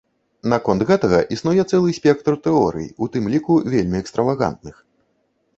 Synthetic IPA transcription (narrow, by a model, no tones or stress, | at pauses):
nakɔnt̪ɣɛt̪ɐɣɐʔisnujɛt̪sɛlˠɨsʲpʲɛk̚t̪rt̪ɛɔɾɨ̰jḭut̪ɨmlʲikuvʲelʲmʲiɛkst̪ɾɐvaɣa̰nt̪̚nɨx